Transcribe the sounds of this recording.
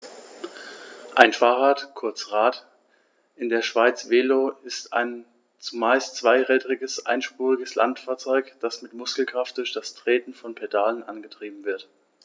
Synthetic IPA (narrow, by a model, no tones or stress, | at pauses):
ʔaɪnfaːʁaːtkʰʊɐt͡sʁaːt | ʔɪndeːɐʃv̥aɪt͡sv̥eːloːɪsta̰ɪn | t͡sumaɪst͡sv̥aɪʁɛːdəʁɪɡəsʔa̰ɪnʃpuːʁɪɡəsla̰ntfaːɐt͡sɔʏkd̥asmɪtmʊskl̩kʁ̥aft̚d̥ʊɐçd̥astʁ̥eːtn̩fɔnpʰedaːlənʔanɡətʁ̥iːbm̩vɪɐt